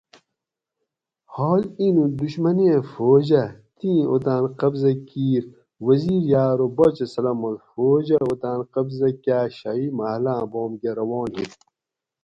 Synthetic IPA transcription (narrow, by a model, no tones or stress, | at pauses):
hoːlinũd̪uɕmɐneẽfoːd͡ʑɐt̪ĩːot̪aːnqɐbzɐkiːɾ | wɐziːɾjaːɾobɐt͡ɕɐsɐlɐmɐlfoːd͡ʑɐod̪ãːnqɐbzɐkjaːɕɐimɐhlãːboːmɡeɾɐwoːnɦit̪